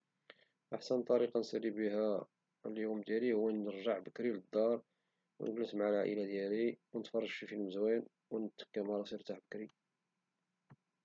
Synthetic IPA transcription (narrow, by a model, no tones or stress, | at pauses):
ʔaħsənt̪ˤɑɾiqɑnsælibiɦæ | ljumd̪jælihʊwːænəɾʒaʕbəkɾiləd̪ˤːɑɾˤ | w̰nəɡləsmʕalʕa̰ʔə̰lad̪jæliwənət̪fɑrˤːɑʒʃifilməzwæn | wənət̪ːə̥kːæmɑɾˤɑsiɾt̪aħbəkɾi